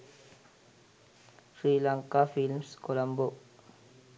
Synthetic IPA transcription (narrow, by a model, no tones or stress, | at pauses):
fɾilaŋkafilmskolamboʔ